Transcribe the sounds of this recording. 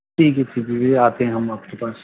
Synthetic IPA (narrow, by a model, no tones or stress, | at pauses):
iːketʰipiʋeaːt̪eɦɛ̃ɦɐmaːp̚kepaːs